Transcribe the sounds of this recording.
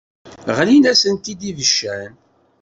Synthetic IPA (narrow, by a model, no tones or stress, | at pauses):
ʁlinæsənt̪id̪ivəʃːæn